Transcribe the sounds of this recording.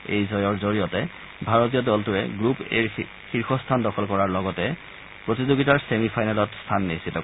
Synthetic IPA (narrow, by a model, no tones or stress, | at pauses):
ḛjzɔjɔɹzoɹijɔtɛ | bʱaɹotijɔdɔltʊɛɡɹupeɹ | xiɹxʰɔstʰandɔxʰɔlkɔɹaɹlɔɡɔtɛ | pɹotizoɡitaɹsemifʰajnalɔtstʰanːisitɔ